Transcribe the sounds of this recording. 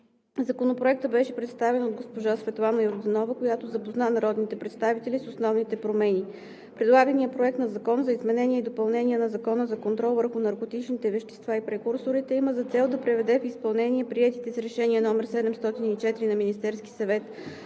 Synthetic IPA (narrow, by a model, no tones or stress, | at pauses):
zɐkonopɾoɛk̚t̪əbɛʃɛpɾɛt̪st̪avɛnod̪̚ɡospoʒasvɛt̪lˠanəjoɾd̪ɛnɔvəkojat̪ozɐpoznanɐɾɔd̪nit̪ɛpɾɛt̪st̪avit̪ɛlisosnɔvnit̪ɛpɾomɛni | pɾɛd̪lˠaɡənijəpɾoɛk̚t̪nɐzɐkɔnzɐizmɛnɛniəid̪opɐlˠnɛnʲiɛnɐzɐkɔnəzɐkont̪ɾɔlˠvəɾxʊnɐɾkot̪it͡ʃnit̪ɛvɛʃt̪ɛ̥st̪vaipɾɛkuɾsoɾit̪ɛiməzɐt̪sɛlˠd̪ɐpɾɛvɛd̪ɛfispɐlˠnɛnʲiɛpɾiɛt̪it̪ɛsɾɛʃɛniɛnɔmɛɾsɛd̪ɛmst̪ɔt̪init͡ʃɛt̪iɾinɐminist̪ɛɾski̥sɐvɛt̪